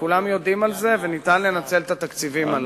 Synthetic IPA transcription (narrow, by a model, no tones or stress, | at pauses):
kulamjo̞d̪imalze̞venit̪anle̞nat͡se̞lt̪at̪akt͡sivimal